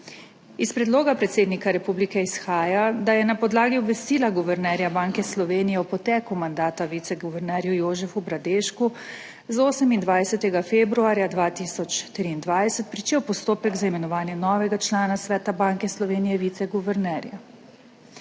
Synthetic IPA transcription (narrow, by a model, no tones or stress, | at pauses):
ispɾɛd̪loːɡapɾɛt̪seːd̪nikaɾɛpublikɛisxaːjad̪ajɛnapɔd̪laːɡiɔbʋɛst̪iːlaɡuʋɛɾnɛɾjabaŋkɛslɔʋeːnijɛwpɔt̪ɛːkumand̪aːt̪aʋit̪sɛɡuʋɛɾnɛːɾjujoːʒɛfubɾad̪eʃku | zoːsəmind̪ʋajsɛt̪ɛɡafebɾuaːɾjad̪ʋaːt̪isɔt͡ʃt̪ɾiːnd̪ʋajsɛt̪̚pɾit͡ʃeːwpɔst̪oːpɛɡzaimɛnɔʋaːnjɛnɔːʋɛɡat͡ʃlaːnasʋɛːt̪abaŋkɛslɔʋeːnijɛʋit̪sɛɡuʋɛɾnɛɾja